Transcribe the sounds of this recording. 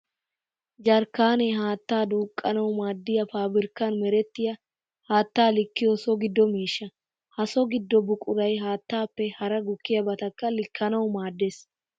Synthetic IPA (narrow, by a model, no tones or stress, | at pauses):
d͡ʒɐɾkːaːnɛɦaːt̪ːaːd̪uːkʼːɐnɐwmaːd̪ːɪjɐpaːbɪɾkːɐnmɛɾɛt̪ːɪjɐ | haːt̪ːaːlɪkːɪjɔsɔɡɪd̪ːɔmiːʃːɐ | hɐsɔɡɪd̪ːɔbʊkʼʊɾɐjɦaːt̪ːaːpːɛhɐɾɐɡʊkːɪjɐbɐt̪ɐkːɐlɪkʰːɐnɐwʊmaːd̪ːeːs